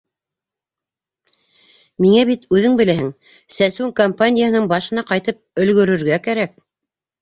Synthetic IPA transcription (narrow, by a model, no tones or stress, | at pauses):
miŋæbit̪ʉðɘŋbɘ̆læɦɘŋ | sæsʉŋkompanʲɪjahɤ̆nɤɴbɑʃɤ̆nɑqɑjt̪ɤp̚ɵ̆lɡɵ̆ɾɵ̆ɾɡækæɾæk̚